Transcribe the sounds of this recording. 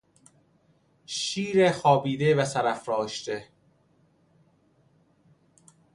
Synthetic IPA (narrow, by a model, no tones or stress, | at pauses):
ʃiːɾexɒːbiːd̪evæsæɾæfɾɒːʃt̪e